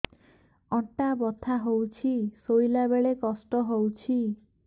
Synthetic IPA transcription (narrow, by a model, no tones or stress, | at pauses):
ɔʈabɔt̪ʰaɦowt͡ʃʰisojlabeɭekɔsʈɔɦowt͡ʃʰi